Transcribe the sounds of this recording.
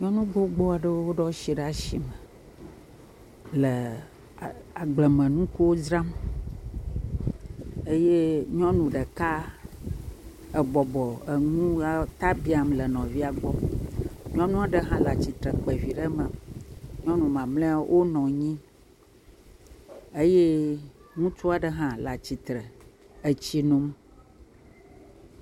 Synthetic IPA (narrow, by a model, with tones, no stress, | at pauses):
ɲɔ̃˦nũ˦ɡo˦ɡ͡bɔ˦a˨ɖə˦wo˦wo˦ɖɔ˦ʃi˨ɖa˨ʃḭ˨mə˨ | lə˨ | a˨ɡ͡blɛ˨mə̃˨nũ˦ku˦wo˦zɾa˦m | e˦je˦ɲɔ̃˦nũ˨ɖə˨ka˦ | ə˨bɔ˨bɔ˨ə˨ŋũ˦a˦t̪a˦bi˦a˨mlə˨nɔ̃˨vi˦a˨ɡ͡bɔ˦ | ɲɔ̃˦nũ˦a˨ɖə˨ɦã˦la˨t͡ɕi˨t̪ɾə˨k͡pɛ˨vi˨ɖə˦mə˨ɲɔ̃˦nũ˨mã˨mlɛ̃˦wʔo˦nɔ̃˨ɲĩ˦ | e˦je˦ŋũ˦t͡ʃu˦a˨ɖə˦ɦã˦la˨t͡ɕi˨t̪ɾə˨ | e˨t͡ɕi˦nũ˦m